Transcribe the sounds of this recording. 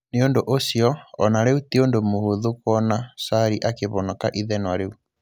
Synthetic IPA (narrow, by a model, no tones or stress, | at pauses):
neondoʔosijɔɔnaɾeutiondomohoðokwɔnasaɾiʔakeβɔnakaʔiðɛnwaɾeu